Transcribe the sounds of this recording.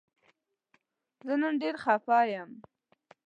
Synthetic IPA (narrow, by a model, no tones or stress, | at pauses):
zənanɖeɾxafɑjəm